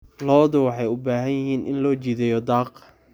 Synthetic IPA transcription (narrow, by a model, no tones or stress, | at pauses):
lɔːðʊwɑħɑjʊbaːɦɐnjɐɦiːnʔɪ̰nlɔːt͡ʃiːðɛjɔd̪ɑːq